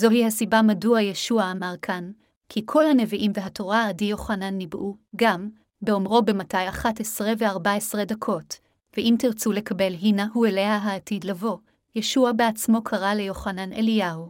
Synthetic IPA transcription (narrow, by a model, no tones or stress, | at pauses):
zo̞hihasibamaduajeʃuaːmaʁkʰan | kʰikʰo̞lhane̞viʔimve̞ɦato̞ʁaːdijo̞χananːibʔuɡam | beo̞mʁo̞be̞matajaχatesʁeve̞aʁbaesʁe̞dakʰo̞t | veʔimtiʁt͡sule̞kabe̞lɦinahuele̞ɦaɦaːtidlavo̞ | je̞ʃuabeat͡smo̞kʰaʁale̞jo̞χanane̞̰liahu